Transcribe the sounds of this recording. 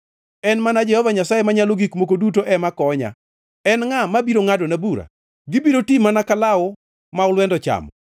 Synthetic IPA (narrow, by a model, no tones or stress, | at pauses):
ɛnmanad͡ʒɛhɔvaɲasajemaɲaloɡikmok̬odut̬oʔɛmakɔɲa̰ | ɛnŋamabiɾoŋadonabuɾa̰ | ɡɪbiɾotimanakalaɔ | maʊlwɛndɔt͡ʃa̰mɔ